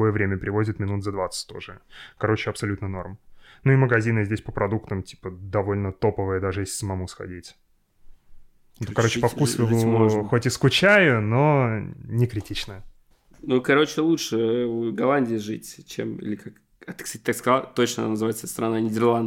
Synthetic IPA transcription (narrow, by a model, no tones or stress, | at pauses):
o̞jəvɾʲemʲəpɾʲɪvo̞zʲɪt̪mʲɪnut̪zɐd̪vat̪sə̥tʲt̪o̞̰ʐɨkɐɾo̞t͡ɕɪɐpsɐlʲut̪nəno̞̰rmnuɪməɡɐzʲinɨzʲdʲesʲpəpɾɐd̪ukt̪əmtʲi̥pəd̪ɐvo̞lʲnət̪o̞pəvɨjəd̪aʐɨjesʲɪ̥səmɐmusxɐ̰dʲitʲ | kɐɾo̞t͡ɕːɪpɐkkusvʲɪlˠʊxo̞tʲɪskʊt͡ɕæjʊno̞nʲɪkɾʲɪtʲit͡ɕnəjə | nukɐɾot͡ɕɪlˠutʂɨuɡɐlˠanʲdʲɪːʐɨ̰tʲt͡ɕḛmḭlʲɪkak | t̪kst̪at̚ʲt̪akskɐzalˠt̪o̞t͡ɕnəɐnanəzɨvajɪt̪səst̪ɾɐnanʲɪdʲɪrlˠand̪